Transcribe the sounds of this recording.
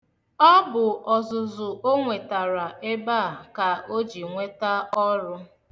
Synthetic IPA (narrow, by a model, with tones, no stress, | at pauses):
ɔ˦bʊ˨ʔɔ˨zʊ˨zʊ˨ʔo˦ŋʷe˨ta˨ɾa˨e˦ba˦˨ka˨o˦d͡ʒi˨ŋʷe˦ta˦ɔ˦ɾʊ˦